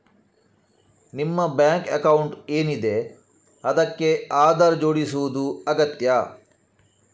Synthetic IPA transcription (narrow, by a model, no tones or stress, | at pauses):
nimːɐbjaːŋkɐ̰kɐwuɳʈe̞ːnid̪e̞ | ɐd̪ɐkːe̞aːd̪ɐɾd͡ʒo̞ːɽisuʋud̪uɐɡɐt̪jɐ